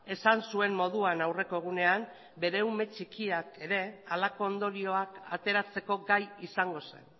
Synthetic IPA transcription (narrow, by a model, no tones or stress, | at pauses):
e̞sansue̞mmo̞ðuanawre̞ko̞eɣ̞une̞am | be̞ɾe̞ume̞t͡ʃikiake̞ɾe̞alako̞ːnd̪o̞ɾio̞akat̪e̞ɾat͡se̞ko̞ɡajisaŋɡo̞se̞̰n